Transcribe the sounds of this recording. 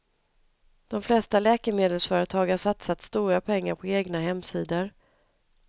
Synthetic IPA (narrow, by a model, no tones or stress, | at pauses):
d̪̥ɔmflɛst̪alɛːkəɾmeːd̪əlsfœːɾət̪ʰɑːɡhaʂat̪sat̪st̪uːɾapʰɛŋːaɾpʰɔeːɡnaɦɛmːsiːd̪əɾ